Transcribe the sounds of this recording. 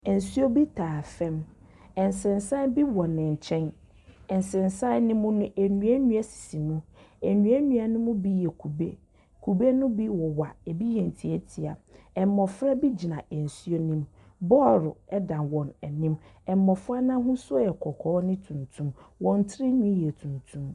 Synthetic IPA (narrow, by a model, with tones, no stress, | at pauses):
ɛ˨n̩˨su˦o˦bi˦tʰaː˨fɛ̃˦m | ɛ˨n˨sɪ̃˨nsa˦bi˦wɔ˨nɪ̃˨ɲ̩˨t͡ɕʰɛ̃˦n | ɛ˨n˨sɪ̃˨nsa˦nɪ̃˦mʊ̃˦nʊ̃˦ʔæ˨nũ˨˦æ˦nũ˦a˦si̥˨si˨nʊ̃˦ɛ˨ɲũ˨˦ɛ˦ɲũ˦a˨nʊ̃˦mʊ̃˦bi˦jɛ˨kʰu˨bḛ˦ | kʰu˨be˦nʊ̃˦bi˦wɔ˨wa˨ɛ˨bi˦jɛ˨n̩˨tʰi˨ɛ˦tʰi˨a˨ | ɛ˨m˦mːɔ˨fɾa˦bi˦d͡ʑi˨nã˨ʔɛ˨n̩˨su˦o˦nĩ˦m | bɔː˦˨ɾʊ˨ɛ˦dã˨nwɔ̃˨nɛ˨nɪ̃˦mɛ˨m˨mɔ˨fʊ˦a˦nã˦ɦʊ̃˦sʊ˦jɛ˨kʰɔ˨kʰɔː˨˦nɪ̃˦tʰũ˨ntʰũ˦mwɔ̃˨n˦tʰɪ˦ɾɪ˦ɲĩ˦jɛ˨tʰũ˨ntʰũ˦m